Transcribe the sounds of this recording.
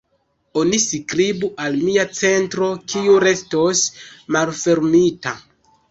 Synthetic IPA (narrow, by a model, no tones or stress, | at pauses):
onisikɾibuʔalmiat͡se̞ntɾo̞kʰiuɾe̞stosmalfe̞ɾmita